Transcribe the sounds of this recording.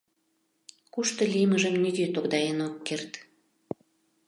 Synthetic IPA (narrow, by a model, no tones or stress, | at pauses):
kuʃt̪ə̆lʲiməʒəmnʲyɣøt̪oɣd̪ɑjenokːert̪